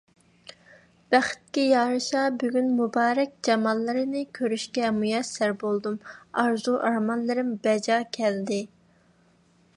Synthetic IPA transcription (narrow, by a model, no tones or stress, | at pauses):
b̥æχɪ̥t̪̚kʲijɑːɾɨʃɑbyɡʲynmubɑːɾɛk̚ʲd͡ʒɑmɑnlˠɨɾɨnɨkʲʰøɾyʃkʲɛmujɛsːæɾbolˠd̪umɑɾzuʔɑɾmɑnlˠɨɾɪmbɛd͡ʒɑːkʲʰɛld̪ɪ